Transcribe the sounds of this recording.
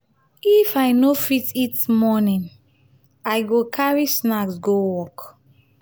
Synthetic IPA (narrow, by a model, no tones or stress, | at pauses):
ifajnofititmɔnĩn | ajɡokʰaɹisnaksɡowɔk